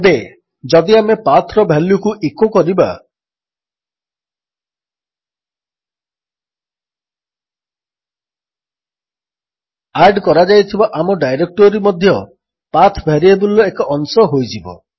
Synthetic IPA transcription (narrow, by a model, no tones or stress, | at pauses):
be | d͡ʒɔd̪iamepat̪ʰɾɔbʱjaljukuʔikokɔɾiba̰ | aɾɖkɔɾad͡ʒajt̪ʰibaʔamɔɖajɾek̚ʈɔɾimɔd̪ʱjɔ | pat̪ʰbʱaɾiebulɔekɔʔːnsɔɦojd͡ʒibɔ̰